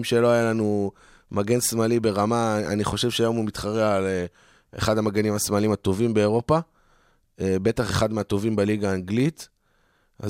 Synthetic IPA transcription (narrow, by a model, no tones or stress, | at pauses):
mʃe̞lo̞ajalanu | maɡe̞nsmalibe̞ʁamaa̰niχo̞ʃe̞vʃeajomumit̪χaʁeale | ḛχad̪amaɡenimasmalimat̪o̞vimbe̞ːʁo̞pa | ebe̞t̪aχe̞χad̪meat̪o̞vimbeliɡaːŋɡlit̪ | a̰z